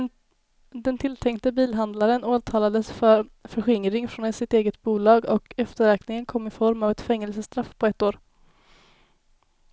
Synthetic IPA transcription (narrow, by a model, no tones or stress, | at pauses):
d̪ɛnt̪ʰɪlt̪ʰɛŋkt̪əbiːlɦand̪laɾənoːt̪ʰɑːlad̪əsfœɾfœɾɧɪŋɾɪŋfɾɔnɛsɪt̪eːɡət̪buːlɑːɡɔkɛft̪əɾɛːknɪŋənkʰɔmːɪfɔɾmavɛt̪fɛŋːɛlsəst̪ɾafpʰɔɛt̪ːoːɾ